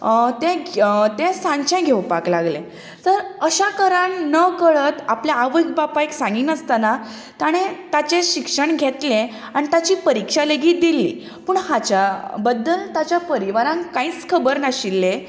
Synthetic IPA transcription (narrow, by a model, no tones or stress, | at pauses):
t̪ɛ̃t̪ɛ̃sãɲt͡ɕɛ̃ɡʱewpaklaɡlẽ | səɾəɕakəɾaɳnəkəɭət̪apljaaʋəkbapajksãŋɡiːnəst̪ana | t̪aɽ̃ẽt̪at͡ɕẽɕikʂəɳɡʱet̪lẽ | añit̪at͡ɕiːpəɾikʂaleɡiːt̪̚d̪ilːḭː | pəɳhat͡ɕabəd̪ːəlt̪at͡ɕjapəɾiʋaɾãŋkãiːt͡skʰəbəɾnaɕilːe